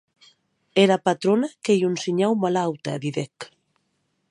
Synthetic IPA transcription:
ɛɾapat̪ɾonakejunsiɲawmalawt̪aeðiðɛk

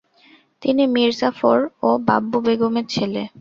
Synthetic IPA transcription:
t̪inimiɾsafoɾoba̰bːubeɡomeɾt͡ɕʰele

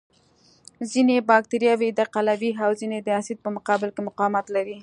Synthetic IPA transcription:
zinebɑk̚t̪eɾijɑwed̪aqalawiɦawzined̪əasid̪̚pəmʊqɑbɪlkemʊqɑmat̪laɾi

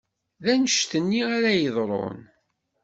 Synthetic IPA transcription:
ðænəʃt̪ənːiæɾæjəðˤɾˤo̰n

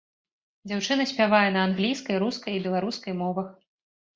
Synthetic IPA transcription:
d͡zʲawt͡ʂɨn̪ɐsʲpʲavajɛnɐanɣlʲijskɐjɾuskɐjibʲɛlˠaɾuskɐjmɔvɐx

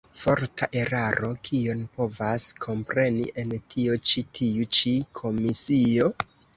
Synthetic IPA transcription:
fo̞ɾtʰaʔe̞ɾaɾʔo̞kʰionpo̞vaskʰo̞mpɾe̞nḭʔe̞ntʰio̞t͡ʃitʰiut͡ʃikʰo̞misio̞

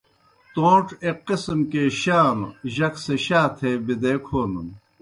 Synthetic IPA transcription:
t̪õːʈ͡ʂeqːisimkeɕaːnʑɐkseɕaːt̪ʰeːbid̪eːkʰoːnun

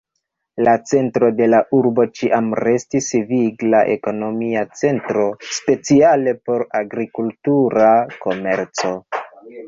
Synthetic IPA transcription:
lat͡se̞ntɾo̞de̞laʔuɾbo̞t͡ʃiʔamɾe̞stisviɡlaʔe̞̰ko̞no̞miat͡se̞ntɾo̞spe̞t͡siale̞po̞ɾaɡɾikultuɾako̞me̞ɾt͡so̞

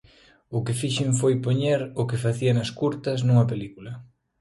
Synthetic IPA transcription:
ʊkɪfiʃeɱfojpoɲeɾʊkɪfaθiɐnɐskuɾt̪ɐs̬nũŋɐpelikulɐ

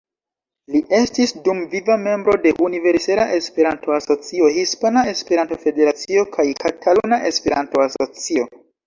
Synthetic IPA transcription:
liʔe̞stisdumvivame̞mbɾo̞de̞ʔunive̞ɾselaʔe̞spe̞ɾanto̞aso̞t͡sio̞ɦispanae̞spe̞ɾanto̞fe̞de̞ɾat͡sio̞kʰajkatʰalunaʔe̞spe̞ɾa̰nto̞aso̞t͡sio̞

